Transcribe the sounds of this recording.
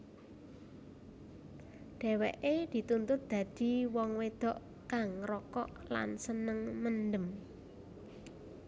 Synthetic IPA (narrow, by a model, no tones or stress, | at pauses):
ɖ̥ɛ̤wɛ̰ʔed̪̥i̤t̪unt̪ʊt̪̚d̪̥ä̤d̪̥i̤wɔŋwed̪̥ɔ̤ʔ | kaŋɾɔkɔ̰ʔla̰nsənəŋmənɖəm